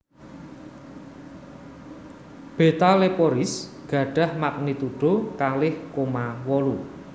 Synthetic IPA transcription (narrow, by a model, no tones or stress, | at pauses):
b̥e̤t̪alepɔɾɪsɡ̥ä̤ɖ̥ä̤hmak̚nit̪uɖ̥o̤kalɪhkomawɔlu